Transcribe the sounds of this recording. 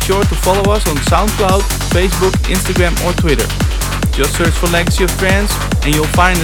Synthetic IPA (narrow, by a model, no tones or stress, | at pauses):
ʃɔɹtufɑlˠoʊʌsn̩sãʊ̃nklaʊd | feɪsbukɪ̰̃nstəɡɹæ̃məɹtʰwɪɾə̰˞ | d͡ʒʌtsɜɹt͡ʃfəlɛɡəsiɔvtɹɛ̃nsz | ɛ̃njulˠfãj̃nd